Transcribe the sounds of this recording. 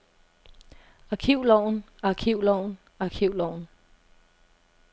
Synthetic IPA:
ɑ̈kʰiʊ̰lɒʊ̰n | ɑ̈kʰiʊ̰lɒʊ̰n | ɑ̈kʰiʊ̰lɒʊ̰n

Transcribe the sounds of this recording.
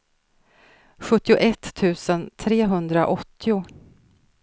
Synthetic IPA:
ɧɵt̪ːɪʊʔɛt̪ʰːʉ̟ːsənt̪ʰɾeːɦɵnd̪ɾaʔɔt̪ʰːɪʊ

